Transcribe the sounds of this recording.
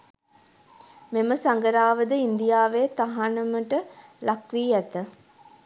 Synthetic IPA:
meməsaŋɡəɾaːʋəd̪əind̪ijaːʋeːt̪aɦanəməʈəlʔakʋiːæt̪ə

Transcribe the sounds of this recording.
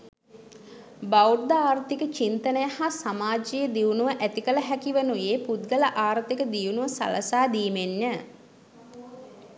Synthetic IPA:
baurd̪əaːɾt̪ikət͡ʃint̪ənəjahasamaːd͡ʒijəd̪iunuʋəʔæt̪ikələɦækiʋənujeːpud̪̚ɡələʔaːɾt̪ikəd̪iunuʋəsa̰ləsaːd̪iːmenjə

